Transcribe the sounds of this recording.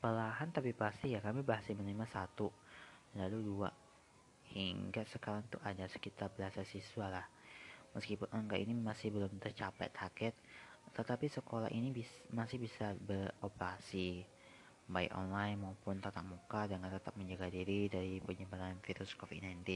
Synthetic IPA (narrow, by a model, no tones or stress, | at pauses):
pəlaɦant̪apipast̪ihjakamibaɦasimənimasat̪u | laludua̰ | hiŋɡasəkaɾaŋt̪uʔadasə̥kit̪arbəasasisualah | məskipʊnəŋkaʔḭnimasɪhbəlʊmt̪ərt͡ʃapa̰jt̪ʰaɡɛt̪̚t̪ət̪apisəkola̰ɦʔinibimasɪhbisabəropəɾasi | baɪkɔ̰nlajnmaupʊnt̪ət̪ap̚mukadəŋant̪ət̪ap̚məɲd͡ʒaɡadiɾidaɾipəɲəbat̪anfiɾʊskofit̪najnt̪in